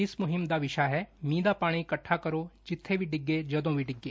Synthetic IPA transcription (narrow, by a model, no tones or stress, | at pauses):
ɪsmʊɦɪmd̪aːʋɪʃaːɦɛːmĩːd̪aːpaːɽ̃ikəʈʰːaːkəɾoːd͡ʒɪt̪ʰːeːbiːɖɪɡːeːd͡ʒəd̪õːbʱiːɖɪɡːeː